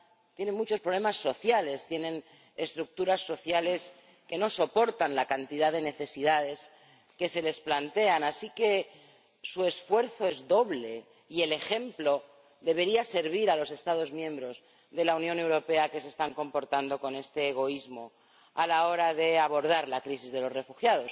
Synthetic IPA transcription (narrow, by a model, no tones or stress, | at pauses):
t̪je̞ne̞mut͡ʃo̞spɾole̞masːo̞θjale̞st̪je̞nẽ̞n | e̞st̪ɾuk̚t̪uɾasːo̞θjale̞s | ke̞no̞so̞po̞ɾt̪anlakant̪iðaðe̞ne̞θe̞siðaðe̞s | ke̞se̞le̞splant̪e̞anasike̞ | sue̞sfwe̞ɾθo̞e̞zðo̞βle̞ | ie̞le̞xe̞mplo̞ | ðe̞β̞e̞ɾiase̞ɾβ̞iɾalo̞se̞st̪aðo̞zmjẽ̞mbɾo̞z | ðe̞launjõne̞wɾo̞pe̞akese̞st̪aŋko̞mpo̞ɾt̪and̪o̞ko̞ne̞st̪e̞ːɣ̞o̞izmo̞ | alao̞ɾaðe̞aβo̞ɾð̞aɾlakɾisizðe̞lo̞sre̞fuxjað̞o̞s